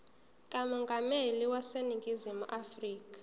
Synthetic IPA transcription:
kʼamɔŋɡʱameliwaseniŋɡʱizimuʔafriːkḁ

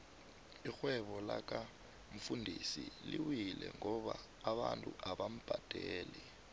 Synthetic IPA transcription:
ixwɛɓɔlak̬ʼa | ɱ̩fundʱisiliwilɛŋɔɓaː | ɓantʼuʔaɓam̩b̥ʱad̥ʱɛːlɛ

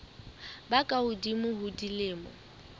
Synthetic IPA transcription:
bakʼaʊdimʊhʊdilɪːmʊ̰

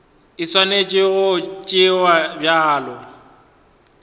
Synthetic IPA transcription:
ɪswanet͡ʃʼɪɣʊt͡ʃʼɪwabjaːlɔ

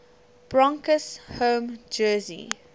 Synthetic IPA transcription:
b̥ɹãŋkəshõːmd͡ʒɜːzḭ

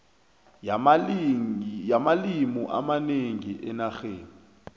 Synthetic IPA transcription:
jamalimuʔa̰maneŋiʔɛnaxeːŋi

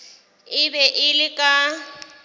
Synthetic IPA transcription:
ɪbɛʔɪlɪkʼa

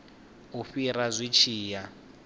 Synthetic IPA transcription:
uɸiɾazʷit͡ʃʰiːja

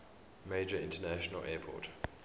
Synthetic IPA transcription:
meɪd͡ʒəɪ̃ntənæʃənə̰lʔɛːpʰɔ̰ˑt

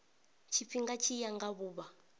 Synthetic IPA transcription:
t͡ʃʰip̪fiŋɡat͡ʃʰijaŋɡaβuːβa

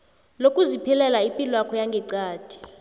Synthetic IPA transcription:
lokʼuzipʰilɛlaipʼilwakʰɔjaŋɡʱɛǀaːd̥ʰʱʼi̥

